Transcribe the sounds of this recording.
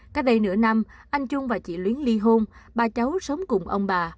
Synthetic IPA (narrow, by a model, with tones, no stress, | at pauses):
kaː˨˦˥k̚ɗə˧jnɨ̰˧˥əna˧mʔa˧jŋ̟t͡ɕʊ˧ŋ͡mvaː˨˩t͡ɕḭ˧˨lwi˨˦ənli˧ɦo˧nɓaː˨˩t͡ɕa˨˦wsə˨˦wŋ͡mkʊ˨˩ŋ͡mʔə˧wŋ͡mɓaː˨˩